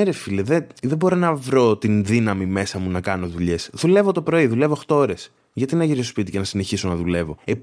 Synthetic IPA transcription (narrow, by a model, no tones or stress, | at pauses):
eɾefileðeðebo̞ɾo̞nɐvɾo̞t̪inðinɐmime̞sɐmunɐkɐno̞ðuʎe̞sðule̞vo̞t̪opɾo̞iðule̞vo̞xt̪ooɾe̞s | ʝɐt̪inɐʝiɾiospit̪icenɐsine̞çiso̞nɐðule̞vo̞e